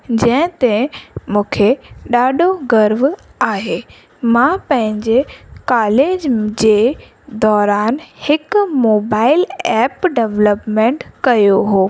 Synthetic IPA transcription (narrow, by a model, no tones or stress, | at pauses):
d͡ʑɐ̃ɦɪ̃t̪ẽmũːkʰeɗaːɗʱoɡɐɾʋ | aːɦeː | mãpɐ̃ɦɪ̃ɲd͡ʑekaːleːd͡ʑd͡ʑeː | d̪ɔːɾaːnhɪkʊmoːbaːɪlɛːpɖeʋləpmẽːɳʈkɐjoɦoː